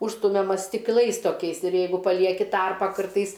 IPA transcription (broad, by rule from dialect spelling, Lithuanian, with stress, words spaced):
ˈʊʃstʊmʲɛmɐ sʲtʲɪkˈlˠɐɪs toːˈkʲɛɪs ɪr ˈjɛɪɡʊ pɐˈlʲiɛkʲɪ ˈtɐrpɑː ˈkɐrtɐɪs